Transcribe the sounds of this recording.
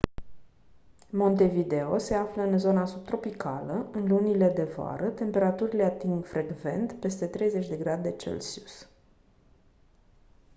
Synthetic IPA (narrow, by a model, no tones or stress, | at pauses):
mo̞nt̪e̞vid̪e̞o̞se̞afləɨnzo̞nasub̚t̪ɾo̞pikaləɨnlunile̞d̪e̞voa̰ɾət̪e̞mpe̞ɾat̪uɾileat̪iŋɡfɾʔe̞ɡve̞̰nt̪pe̞st̪e̞t̪ɾe̞jze̞t͡ʃʲd̪e̞ɡɾad̪e̞t͡ʃḛlsius